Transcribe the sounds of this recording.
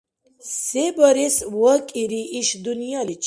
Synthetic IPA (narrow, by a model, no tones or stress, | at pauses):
sebəɾeswəkʼiɾiʔiʃd̪unjalit͡ʃ